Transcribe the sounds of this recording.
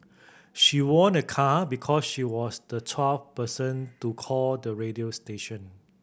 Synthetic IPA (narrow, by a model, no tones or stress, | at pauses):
ʃiwɔ̃nəkʰabikʰɔsʃiwɔsdətʰwɛlfpəsə̃ntukʰɔldəɹediosteʃə̃n